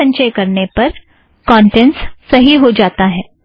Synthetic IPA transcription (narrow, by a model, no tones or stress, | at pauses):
ɐ̃ɲʃəjkɐɾnepɐɾ | kɔ̃ːɳʈɛ̃nssɐɦiɦod͡ʒaːt̪aɦɛː